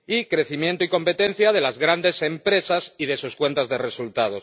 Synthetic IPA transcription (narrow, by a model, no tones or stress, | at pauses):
ikɾe̞θimjent̪oiko̞mpe̞t̪e̞n̟θjað̞e̞lazɣɾand̪e̞se̞mpɾe̞sasiðe̞suskwe̞nt̪azðe̞re̞sult̪að̞o̞s